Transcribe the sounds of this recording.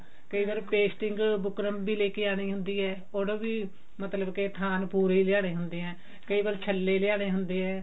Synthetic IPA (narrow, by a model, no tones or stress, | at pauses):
kəiːbaːɾpeːsʈɪŋɡbʊkɾəmbiːleːkeːaːɽ̃iːɦʊnd̪iːɛː | oɽbiː | mət̪ləbket̪ʰaːnpuːɾeiːlɪjaːɽ̃eːɦʊnd̪eːɦɛ̃ː | kəiːbaːɾt͡ʃʰəlːeːlɪjaːɽ̃eːɦʊnd̪eːɦɛː